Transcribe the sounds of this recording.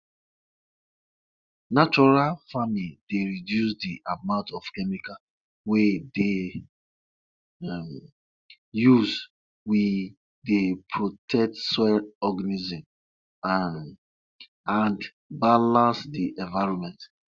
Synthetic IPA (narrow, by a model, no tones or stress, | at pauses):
nat͡ʃɔɹalfamiideɹidjus̬diʔamãʊ̃ntɔfkɛmika | wede | m | juz | wi | depʰɹotʰɛk̚tsɔlɔɡanizɔ̃m | ãnd | balãnsdiʔɛ̃ɱvaɪɹɔ̃mɛ̃nt